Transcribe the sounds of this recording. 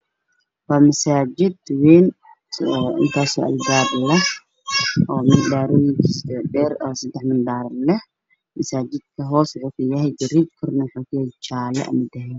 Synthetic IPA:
wɑːmɐsaːd͡ʒɪd̪wɛːn | ʔɪnt̪ʰaːsɔːʔɐ̰lbaːblɐh | ʔɔːmɪndaːɾɔjɪŋkʰisɖɛːɾɔːsɐd̪ɛħmɪnɖaːɾlɛh | mɐsaːd͡ʒɪd̪̥̚kʰɐɦɔːsʕʊfɪjɐɦɛjɡɐɾiːb̚kʰɔrnɐwħaːkɪjɛjt͡ʃaːlɛ̰ʔɐ̰mɪd̪ɐɦɛːn

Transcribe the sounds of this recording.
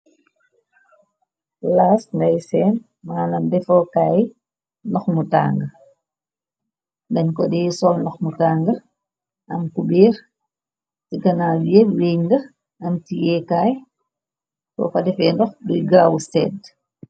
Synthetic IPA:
laːsŋɡɐjsɛːn | maːnɐmdɛfɔːkaːj | nɔxmuta̰ːŋɡə | ndɐɲkɔdɛːsɔlnɔxmutaːŋɡə | ʔɐmkubiːɾ | tikɐnaːjɛweɲndɐ | ɐmtijɛːkaːj | kɔ̰fɐdɛfɛːndɔxdujɡɾaːwsɛːd

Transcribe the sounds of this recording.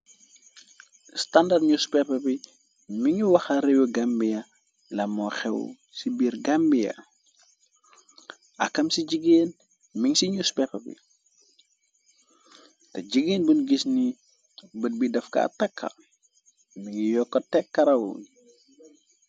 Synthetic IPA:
standɐrdɲuspɛpɐbi | miŋuwɐxɐɾewuɡɐmbijɐ | lɐmɔxɛw̰ | sibiːɾɡɐmbijɐ̰ | ɐ̰kːɐmsiɟiɡeːn | miŋsiɲuspɛpɐbḭ | tɛɟiɡeːnbunɡisni | bət̚bidɐfka̰tɐkʰːɐ̰ | miŋijɔkːɔtɛkːɐɾɐwṵn

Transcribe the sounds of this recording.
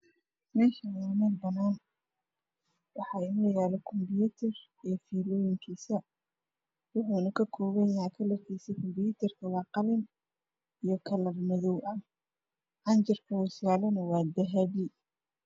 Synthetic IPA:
mɛːʃɐnamɐlbɐnaːn | wɑħɑːɪnɐjjaːlɛkʰɔmbjut̪ʰɛr | ɛfiːlɔːjɪŋkʰiːsɐ | wʊħuːnɐkʰɐkʰɔːβɐakʰɐlɐkʰɛjsɛkʰɔmbɪjut̪ʰɐrkʰɐwɑːqɑlɪn | ijɔkʰɐlɐrmɔðɔwʔɐ | ʕɑnt͡ʃɪrkʰɐʊsjaːlɛnɐwɑːd̪ɐɦɐβi

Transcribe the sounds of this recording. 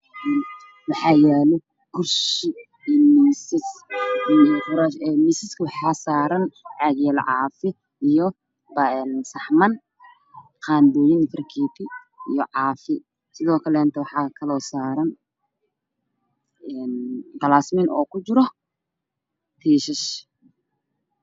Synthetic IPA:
ɛːn | wɑħɑːjɛːlɔ | ɡʊrʃɪ | ijmisɪsijɔfʊɾaʃɛmisɪskʰɐwɑħɑːsaːɾɐnʕɑɡjɛːlʕɑ̰ːfɪ | ijɔ | bɐɛnsɑħmɐn | qaːnd̪ɔːjɪnfɐrkʰiːtʰɪ | ijɔʕɑːfɪ | sɪðɔːkʰɐlɛːnt̪ʰɐwɑħɑːkʰɐlɔːsaːɾɐn | ɛnd̪ɐlaːsmɪnɔːkʰʊd͡ʒɪɾɔ | t̪ʰiːʃɪʃ

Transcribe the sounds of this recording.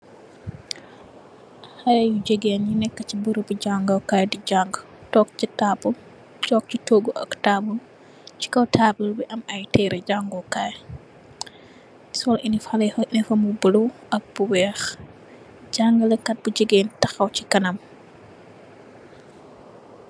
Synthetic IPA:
hɐjɐjud͡ʒəɡenjinɛkːət͡ʃibəɾupiɟaŋɡɐwkajdid͡ʒaŋɡ | tɔk̚t͡ʃitaːbul | t͡ʃɔk̚t͡ʃitoːɡuʔɐ̰ktabul | t͡ʃi̥kɔwtʰaːbulbiʔɐmɐjtɛːɾɛd͡ʒaŋɡɔwkaj | sɔlʔinifɐlɛnifɐmubəluʔɐk̚b̥uwɛːx | ɟaŋɡəlɛkːɐt̚bud͡ʒəɡentɐxɐwt͡ʃikɐnɐm

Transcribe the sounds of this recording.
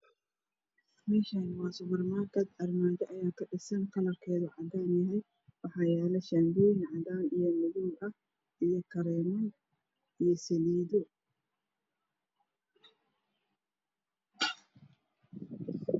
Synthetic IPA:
mɛːʃaːnwɑːsʊbɐrmaːkɐd̪ʕɑrmaːdɐʔɐjaːkʰɐɖɪsɐnqɐlɐrkʰɛːðʊʕɑd̪aːnjɐɦɛj | wɑħɑːjɛːlɛʃambiːnʕɑðaːnijɔmʊðulɐh | ʔijɔkʰɐɾɛːmɐj | ijɔsɐliːðʊ

